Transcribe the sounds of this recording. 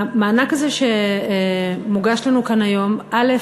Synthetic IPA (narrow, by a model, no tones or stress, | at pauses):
maːnakazeʃe | muɡaʃlanukanajo̞mʔale